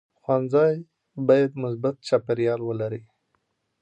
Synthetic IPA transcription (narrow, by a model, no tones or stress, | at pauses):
xwanzɑj | bɑjad̪mʊs̬bat̪̚t͡ʃɑpɪɾjɑlwəlaɾi